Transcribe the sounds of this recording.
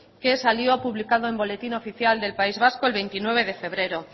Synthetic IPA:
ke̞saljoapuβlikað̞oe̞mbo̞le̞t̪ino̞fiθjald̪e̞lpaizβ̞askoe̞lβe̞jnt̪inwe̞β̞e̞ð̞e̞fe̞β̞ɾe̞ɾo̞

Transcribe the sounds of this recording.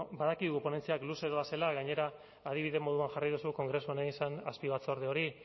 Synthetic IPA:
baðakiðuɣupo̞ne̞nt͡siakluse̞ðoβase̞laɣaɲe̞ɾaː | ð̞iβ̞iðe̞mo̞ðuanxariðusuko̞ŋɡɾe̞suaneinsanaspiβat͡soɾð̞eo̞ɾi

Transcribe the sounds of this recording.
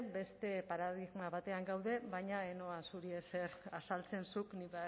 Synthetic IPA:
be̞st̪e̞paɾaðiɣmaβat̪e̞aŋɡawðe̞βajɲaeno̞ansuɾiese̞ɾasalt͡se̞nsukniβ

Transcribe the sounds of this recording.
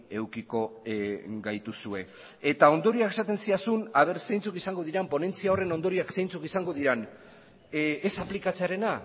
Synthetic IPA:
e̞wkiko̞ | ɡajt̪usue̞ | et̪ao̞nd̪o̞ɾiake̞sat̪e̞nsiasunaβ̞e̞ɾsejnt͡sukisaŋɡo̞ðiɾampo̞ne̞nt͡siao̞re̞no̞nd̪o̞ɾiaksejnt͡sukisaŋɡo̞ðiɾan | esaplikat͡seaɾe̞na

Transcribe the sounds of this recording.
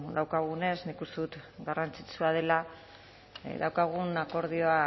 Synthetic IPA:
d̪awkaɣ̞une̞snikust̪eðut̪ɡarant͡sit͡suað̞e̞la | ðawkaɣ̞unako̞ɾðio̞a

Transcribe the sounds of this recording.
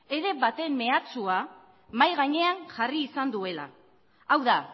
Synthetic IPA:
e̞ɾe̞bat̪e̞mːe̞at͡sua | majɣaɲe̞aŋʝariːsand̪ue̞la̰ | awða

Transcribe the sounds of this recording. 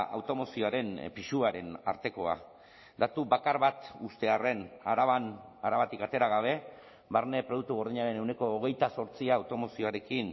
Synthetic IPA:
a̰wt̪o̞mo̞sio̞aɾe̞mpiʃuaɾe̞na̰ɾt̪e̞ko̞a̰ | d̪at̪ubakaɾβat̪ust̪e̞are̞naɾaβanaɾaβat̪ikat̪e̞ɾaɣ̞aβ̞e̞ | βaɾne̞pɾoðuk̚t̪uɣo̞ɾðiɲaɾe̞ne̞wne̞ko̞ːɣ̞e̞jt̪aso̞ɾt͡siaːwt̪o̞mo̞sio̞aɾe̞kin

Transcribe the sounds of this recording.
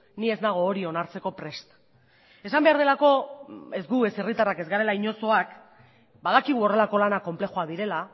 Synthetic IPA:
nie̞zd̪aɣ̞o̞ːɾio̞naɾt͡se̞ko̞pɾe̞st̪ | e̞sambe̞aɾðe̞lako̞e̞zɡue̞se̞rit̪arake̞zɣaɾe̞laiɲo̞so̞ak | baðakiɣ̞uo̞re̞lako̞lanako̞mple̞xoaðiɾe̞la

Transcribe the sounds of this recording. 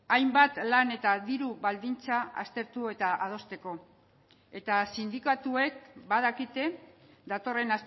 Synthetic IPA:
ajmbat̪lane̞t̪aðiɾuβald̪int͡saa̰st̪e̞ɾt̪ue̞t̪aʔað̞o̞st̪e̞ko̞ | e̞t̪asind̪ikat̪ue̞k̚bað̞akit̪e̞d̪at̪o̞re̞nas

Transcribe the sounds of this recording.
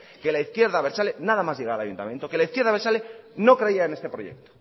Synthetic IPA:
ke̞laiθkje̞ɾðaβeɾsalenaðamazʝeɣaɾala̰junt̪a̰mjent̪oke̞laiθkje̞ɾðaβe̞ɾsaleno̞kɾeiaenest̪e̞pɾo̞je̞̰k̚t̪o̥

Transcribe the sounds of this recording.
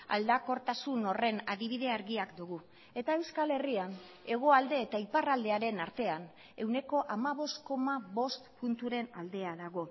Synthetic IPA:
a̰ld̪ako̞ɾt̪asuno̞re̞naðiβ̞iðe̞aɾɣiakd̪uɣu | e̞t̪ae̞wskale̞rian | e̞ɣ̞o̞ald̪e̞ːt̪aiparald̪e̞aɾe̞naɾt̪e̞an | e̞wne̞ko̞ʔamaβo̞st̪ko̞maβo̞st̪punt̪uɾe̞nald̪e̞aðaɣ̞o̞

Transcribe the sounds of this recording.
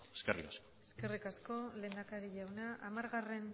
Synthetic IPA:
eskerḭkaskoeskerikasko̞le̞ːnd̪akaɾiʎawnaʔamaɾɣare̞n

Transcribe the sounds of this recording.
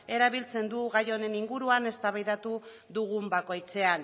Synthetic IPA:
e̞ɾaβ̞ilt͡se̞nd̪uɣajo̞ne̞niŋɡuɾuane̞st̪aβajðat̪u | ðuɣumbako̞jt͡se̞an

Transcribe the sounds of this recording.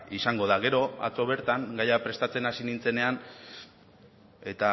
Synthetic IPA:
isaŋɡo̞ð̞aɣe̞ɾo̞a̰t͡so̞β̞e̞ɾt̪aŋɡajapɾe̞st̪at͡se̞nasinint͡se̞ne̞an | e̞t̪a

